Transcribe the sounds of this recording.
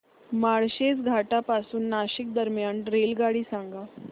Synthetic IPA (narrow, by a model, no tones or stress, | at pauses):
maɭɕet͡sɡʱaʈapasuːnːaɕik̚d̪əɾmjanɾelɡaɽiːsãŋɡa